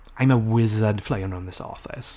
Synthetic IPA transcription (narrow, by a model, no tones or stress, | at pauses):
ãɪ̃məwɪzədfleɪə̃nə̃nðɪsɔ̰ˑfɪ̰s